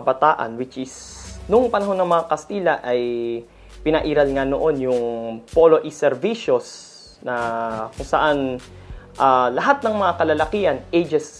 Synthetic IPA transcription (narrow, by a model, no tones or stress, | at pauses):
bɐt̪aːʔɐ̰nwɪt͡ʃɪsnʊŋpɐnɐɦo̞nːɐŋmɐŋakɐst̪iːlɐʔɐj | pɪnɐʔiːɾɐlŋano̞ʔo̞njʊŋpolo̞ʔisɛɾviʃos | nɐkʊŋsɐʔan | ʔalɐɦat̪̚nɐŋmɐŋakɐlalɐkiʔɐnʔejd͡ʒɛs